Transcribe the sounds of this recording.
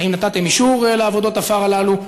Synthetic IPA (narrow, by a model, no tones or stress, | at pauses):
aimnat̪at̪e̞miʃuʁeleavo̞d̪o̞t̪afaʁalalu